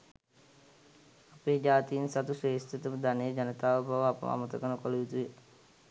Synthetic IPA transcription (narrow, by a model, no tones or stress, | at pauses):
apeːd͡ʒaːt̪ijinsat̪useːst̪et̪uməd̪anejəd͡ʒanət̪aːʋəbʱaʋəapə̰ma̰mət̪əkənəkoluʋit̪uje